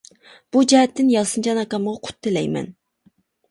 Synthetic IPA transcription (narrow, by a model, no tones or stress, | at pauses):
b̥ud͡ʒɛɦɛt̪ʰːɪnjɑsɨnd͡ʒɑnɑkɑməʁɑqʰʊ̥t̪ʰːɪlɛjmɛ̰n